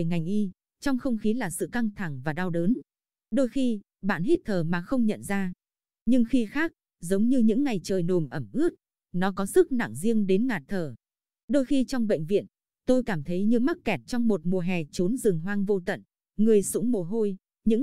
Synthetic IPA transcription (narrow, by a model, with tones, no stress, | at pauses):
ŋa˨˩ŋ̟ʔi˧ | t͡ɕɔ˧wŋ͡mxə˧wŋ͡mxi˨˦laː˨˩sɨ̰˧˨ka˧ŋt̪ʰa˧˩ŋvaː˨˩ɗa˧wɗəː˨˦n | ɗo˧jxi˧ | ɓa̰ː˧˨nɦi˦˥t̚t̪ʰəː˨˩maː˨˩xə˧wŋ͡mɲə̰˧˨nzaː˧ | ɲɨ˧ŋxi˧xaː˦˥k̚ | zə˨˦wŋ͡mɲɨ˧ɲɨ̰˧˥ŋːa˨˩jt͡ɕəː˨˩jno˨˩mʔə˧˩mʔɨ˦˥ət̚ | nɔ˨˦kɔ˨˦sɨ˦˥k̚na̰˧˨ŋzi˧əŋɗe˨˦nŋaː˨˩t̚t̪ʰəː˨˩ | ɗo˧jxi˧t͡ɕɔ˧wŋ͡mɓə̰˧˨ŋ̟vḭ˧˨ən | t̪o˧jkaː˧˩mt̪ʰə˨˦jɲɨ˧ma˦˥t̚kɛ˨˩t̚t͡ɕɔ˧wŋ͡mmo˨˩t̚mu˨˩əɦɛ˨˩t͡ɕo˨˦nzɨ˨˩ŋɦwaː˧ŋvo˧t̪ə̰˧˨n | ŋɨ˨˩əjsʊ̰˧˥ŋ͡mmo˨˩ɦo˧j | ɲɨ̰˧˥